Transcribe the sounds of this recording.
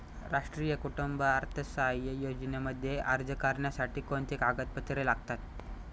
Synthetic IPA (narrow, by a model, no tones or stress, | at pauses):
ɾaʂʈɾiːjəkuʈumbəaɾt̪ʰəsajəjod͡ʑneməd̪ʱːjeʔaɾd͡zəkaɾɳjasaʈiːkont̪ikaɡət̪̚pət̪ɾelaɡt̪at̪̚